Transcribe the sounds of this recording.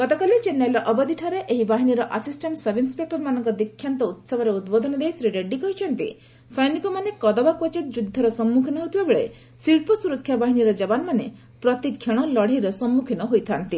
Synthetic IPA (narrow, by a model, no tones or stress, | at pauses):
kɔt̪ɔkalit͡ʃenːejlɔʔɔbɔd̪iʈʰɔɾeʔeɦibaɦiniɾɔʔasisʈeɳʈsɔbinspepeɾmanɔŋkɔd̪ikʰːjant̪ɔut̪sɔbʱɔɾeut̪bɔd̪ʱɔnɔd̪ejsɾiɖeɖːikɔɦit͡ʃʰɔnt̪ḭ | sɔjnikɔmanekɔd̪ɔbakɔt͡ʃit̪̚d͡ʒud̪ʱːɔɾɔsɔmːukʰinɔɦut̪ʰibabeɭe | siɭpɔsuɾɔkʰːjabaɦiniɾɔd͡ʒɔbanmane | pɾɔt̪ikʰːjeɽ̃ɔlɔɽ̤iɾɔsɔmːukʰinɔɦojt̪ʰant̪i